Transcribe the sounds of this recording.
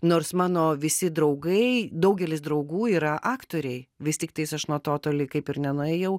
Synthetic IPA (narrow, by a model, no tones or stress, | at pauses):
noːrsmɑːnoːʋʲɪsʲɪd̪ɾɐʊɡɐɪd̪ɐʊɡʲɛlʲɪsd̪ɾɐʊɡuːiːɾɐʔɑːkt̪oːɾʲɛɪʋʲɪstʲɪk̚t̪ɐɪsɐʃnuɔt̪oːt̪oːlʲɪkɐɪpɪɾnʲɛnʊɛːjɛʊ